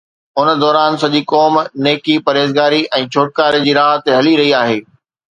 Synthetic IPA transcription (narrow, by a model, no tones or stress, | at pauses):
ʊnəd̪ɔːɾaːnsɐʄikɔːmneːkipɐɾeːzɡaːɾiʔɛ̃ːt͡ɕʰoːʈ̚kaːɾed͡ʑiːɾaːɦt̪eɦɐliɾɐɦiaːɦeː